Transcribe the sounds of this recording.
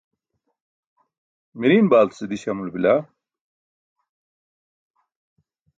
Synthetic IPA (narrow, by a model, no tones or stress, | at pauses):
miɾinbaːlt̪sɨd̪iɕɐmulbila